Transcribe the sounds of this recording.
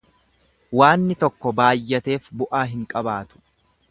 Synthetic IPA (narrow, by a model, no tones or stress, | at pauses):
waːnːɪt̪ɔkːɔbaːjːɐt̪e̞ːfbʊʔaːɦɪŋkʼɐbaːt̪ʊ̥